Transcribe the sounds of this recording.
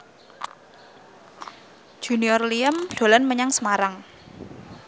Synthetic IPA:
d͡ʒ̥ṳniɔrliəmd̪̥o̤lɔnməɲaŋsəmaɾaŋ

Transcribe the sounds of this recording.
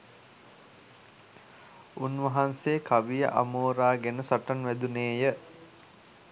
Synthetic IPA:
unʋɐɦanseːkaʋijə̰ʔa̰moːɾaːɡenəsaʈanʋæd̪uneːjə

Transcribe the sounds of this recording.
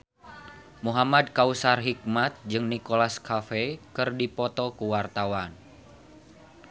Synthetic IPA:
muɦamad̪̚kausarɦik̚mat̪̚d͡ʒɨŋnikolaskafekɨrdipɔt̪ɔkuwart̪awan

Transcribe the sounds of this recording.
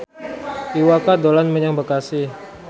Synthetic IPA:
tiwakadolanməɲaŋbəkasɪ

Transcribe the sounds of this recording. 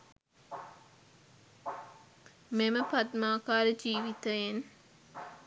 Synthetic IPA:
meməpɐt̪maːkaːɾəd͡ʒiːʋit̪əjen

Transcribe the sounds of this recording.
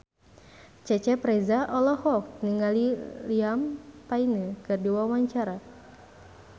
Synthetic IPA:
t͡ʃɛt͡ʃɛpɾɛzaʔɔlɔhɔk̚niŋaliliampainəkɨrdiwawaɲt͡ʃaɾa

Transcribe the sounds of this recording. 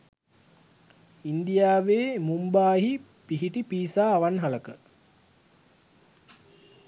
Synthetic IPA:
ind̪ijaːʋeːmumbaːɦi | piɦiʈipiːsaːʋanɦɐləkə

